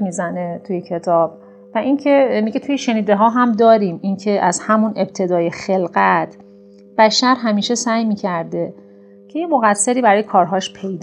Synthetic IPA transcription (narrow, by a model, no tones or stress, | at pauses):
miːzænet̪ʰujecʰe̞t̪ʰɒːb̥ | væʔincʰemiɡet̪ʰujeʃe̞niːd̪e̞ɦɒːɦæmd̪ɒːɾiːmincʰe̞ʔæzhæmune̞b̚t̪ʰe̞d̪ɒːje̞xe̞lɢæt̪ʰ | b̥æʃæɾɦæmiːʃe̞sæːjmiːcʰæɾd̪e̞ | cʰe̞jemoɣæsːe̞ɾiːbæɾɒːjekʰɒːɾɦɒːʃpʰejd̪